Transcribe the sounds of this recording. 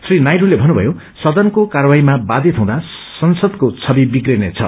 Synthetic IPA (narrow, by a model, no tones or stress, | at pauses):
srinajɾulebʱʌnːubʱʌ̰jo | sʌd̪ʌnkokarwaimabad̪ʱit̪ʰʌ̃w̃d̪a | sʌnsʌd̪kot͡sʰʌbibiɡrenet͡sʰʌ̰